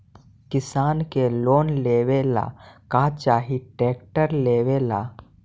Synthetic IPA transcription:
kɪsaːnkeloːnleːʋela̰ːkaːt͡ʃaːɦiʈeːkʈəɾleːʋeːla̰ː

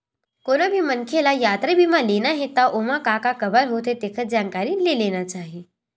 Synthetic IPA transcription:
koːnabʱimɐnkʰelajaːt̪ɾəbʱimãleːnaɦet̪aʔoːmãkaːkakɐbəɾɦoːt̪et̪eːkʰət̪d͡ʒaːnkaːɾileleːnat͡ʃaːɦie

